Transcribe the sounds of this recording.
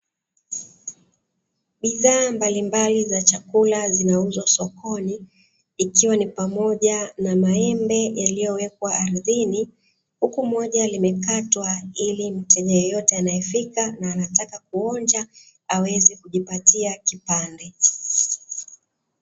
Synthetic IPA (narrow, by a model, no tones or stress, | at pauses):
ɓiðaːmbalimbalizat͡ʃakulazinauzwasɔkɔniː | kiwanipamɔʄanamaɛmbɛjalijɔwɛk̚waːɾiðini | hukumɔʄalimɛkatwailim̩tɛʄajɔjɔtɛanajɛfikanaːnatakakuɔnd͡ʒa | awɛzikuʄipatiakipandɛ